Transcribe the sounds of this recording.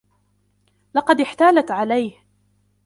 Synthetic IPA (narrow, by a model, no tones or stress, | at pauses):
lɑqɑd̪ɪħt̪aːlat̪ʕalajh